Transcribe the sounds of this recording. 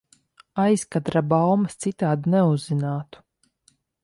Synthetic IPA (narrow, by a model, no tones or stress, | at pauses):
ajskat̪ɾabawmɐst̪sit̪aːd̪unɛuzːinaːt̪u̥